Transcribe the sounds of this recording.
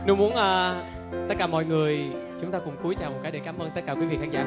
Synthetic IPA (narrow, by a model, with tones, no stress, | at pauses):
nɨ˧˦mu˨˦ənʔəː˧ | t̪ə˦˥t̚kaː˧˩mɔ̰˧˨jŋɨ˨˩əjt͡ɕʊ˨˦ŋ͡mt̪aː˧kʊ̰˧˩ŋ͡mku˨˦jt͡ɕaː˨˩wmo˨˩t̚kaː˨˦ɗe˧˩kaː˨˦mʔəː˧nt̪ə˦˥t̚kaː˧˩kwi˨˦vḭ˧˨xa˧ŋza̰ː˧˩